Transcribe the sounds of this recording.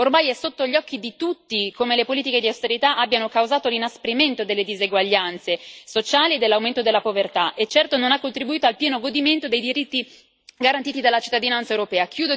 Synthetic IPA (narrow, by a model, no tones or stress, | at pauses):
ormajɛsot̪ːoʎːɔkːid̪it̪ut̪ːikomelepoliːt̪iked̪iawst̪eɾit̪aʔabːjanokawzaːt̪olinaspɾiment̪od̪elːed̪izeɡwaʎːant̪sesot͡ʃaːlied̪elːawment̪od̪elːapovert̪aʔet͡ʃːɛrt̪ononakːont̪ɾibuiːt̪oalpjɛːnoɡod̪iment̪od̪ejd̪iɾit̪ːi | ɡaɾant̪iːt̪id̪alːat͡ʃi̥t̪ːad̪inant̪saewɾopɛːakʰjuːd̪o